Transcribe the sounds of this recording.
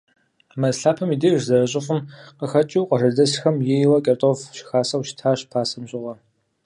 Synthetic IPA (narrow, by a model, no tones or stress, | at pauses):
amɐzɬaːpʰɐmidiːrzɐrɐɕʼɪfʷʊmqəxɐt͡ʃʼiwqɐrɐdɐsxɐmjejwɐkʼɐrtʼofʃɪ̥xaːsɐwʃtʰaːɕpʰaːsɐmɕʼɪʁɐ